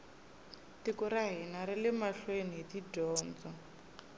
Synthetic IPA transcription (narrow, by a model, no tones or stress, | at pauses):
tikuɾaɦinaɾɛlɛmaɬweniɦetidʱɔːnd͡zɔ